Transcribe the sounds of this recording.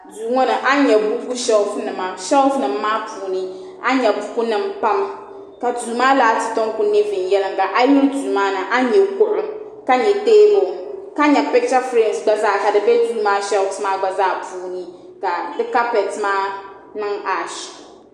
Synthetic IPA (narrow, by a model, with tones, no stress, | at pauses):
duː˨ŋɔ˦nɨ˨ʔa˦ɲɛ˨bu˦ku˦ʃɛ˦lfnɨ˨ma˨ʃɛ˦lfnɨ˨mːaː˦puː˨nɨ˦ | a˦ɲɛ˨bu˦ku˦nɨ˨mpa˦m | ka˨du˨˦maː˦laː˨tɨ˨tɔ˦ŋkʊ˦ne˦vɪ˨njɛ˦lɨ˦ŋ˨ɡa˨ʔa˦ji˦ldu˨maː˦nɨ˨ʔa˦ɲɛ˨kʊ˦ʔʊ˨m | ka˦ɲɛ˨teː˦mo˨ka˦ɲɛ˨pɛ˦t͡ʃa˦fɾɛ˦˨nsɡ͡ba˦zaː˦˨ka˨dɨ˨bɛ˦du˦˨˦maː˦ʃɛ˦smaː˦ɡ͡ba˨zaː˦˨puː˨nɨ˦ | ka˨dɨ˦ka˦pɛ˨tmaː˦ | nɨ˦ŋa˨ʃ